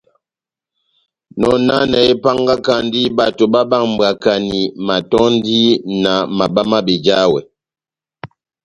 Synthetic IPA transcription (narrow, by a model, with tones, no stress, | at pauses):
nɔ˨na˦nɛ˨e˦pa˦ŋɡa˦ka˦n˦di˦ba˨to˨ba˦ba˦˨ŋm̩˨ba˨ka˨ni˨ma˨tɔ˦n˦di˦na˨ma˨ba˦ma˦be˨d͡ʒa˦wɛ̰˨